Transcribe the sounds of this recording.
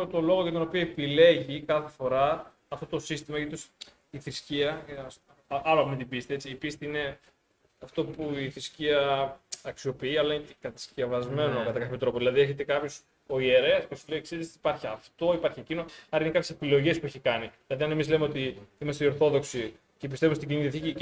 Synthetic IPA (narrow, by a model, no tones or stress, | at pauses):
t̪o̞lo̞ɣoʝɐt̪o̞no̞pio̞epile̞ʝikɐθe̞fo̞ɾɐ | ɐft̪o̞t̪o̞sist̪imɐit̪us | iθɾisciɐ | ɐɾɐpmet̪ibist̪ie̞t͡siːpist̪iine̞ | ɐft̪o̞puiθɾisciɐɐksio̞piiɐlɐicekɐt̪ɐ̥scevɐzme̞nokɐt̪ɐkɐçoepit̪ɾo̞poðilɐðieçet̪ekɐpço̞s | oie̞ɾe̞ɐspesuleiekseðisi̥pɐɾçiɐft̪o̞ipɐɾçiecinoɐɾɐinekɐpçesepilo̞ʝespueçikɐniðilɐðiɐne̞mizle̞meot̪iimɐst̪eioɾθo̞ðo̞ksi | cepist̪e̞vumest̪iɟiniiθçici